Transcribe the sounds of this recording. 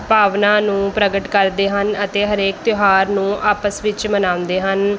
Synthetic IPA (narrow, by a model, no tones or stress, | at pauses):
paːʋnãːnũːpɾəɡəʈkəɾd̪eːɦənət̪eːɦəɾeːk̚t̪ɪɦaːɾnũːʔaːpəsʋɪt͡ʃmənãːʊ̃nd̪eːɦən